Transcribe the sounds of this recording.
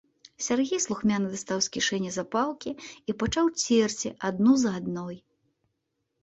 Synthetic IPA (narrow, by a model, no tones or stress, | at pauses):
sʲarɣʲejslˠuxmʲanɨd̪ast̪awsʲkʲiʂɛnʲːɐzapalˠkʲiipat͡ʂawt͡sʲɛrt͡sʲḭʔad̪nuzɐad̪nɔj